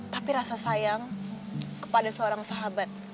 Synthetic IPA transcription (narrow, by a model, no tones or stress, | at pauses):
t̪apiɾasasajaŋ | kə̥padasəoɾaŋsaɦabat̪̚